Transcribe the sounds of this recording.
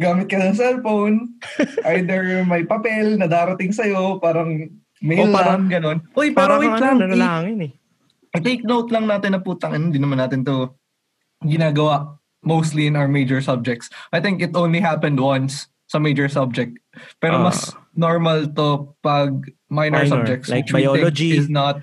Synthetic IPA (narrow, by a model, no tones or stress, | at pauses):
ɡaːmɪt̪̚kɐsɐs̬ɛlfownʔajd̪ɛɹjʊŋmɐjpɐpɛlnɐd̪aːɾɐt̪ɪŋsɐjo̞paːɾɐŋ | mejlaɾɐŋɡɐno̞nʔojpaːɾɐwilaŋaŋɪn | t̪ejk̚nowt̪lɐŋnaːt̪ɪnːɐpuːt̪ɐŋɐnnd̪inɐmɐnːaːt̪ɪnt̪o | ɡɪnaːɡɐwa | mowst̪liɪ̃nawəɹmejd͡ʒɔɹsɐb̚d͡ʒɛk̚t̪sʔɐjt̪ɪ̃ŋkɪt̪ʔownliɦapɛ̃nd̪wɐnsː | ɐmejd͡ʒɔɹsɐb̚d͡ʒɛk̚t̪̚pɛːɾomɐsnoɹmɐlt̪opɐɡ̚ | majnɛɹsɐb̚d͡ʒɛk̚t̪sɪwaioɪ̃kd͡ʒiɪsnɐt̪̚